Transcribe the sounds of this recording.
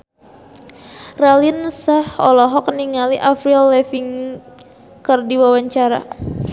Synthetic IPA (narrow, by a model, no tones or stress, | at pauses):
ralinsahɔlɔɦɔk̚niŋaliʔafɾilːɛfiŋ | kərdiwawaɲt͡ʃaɾa̰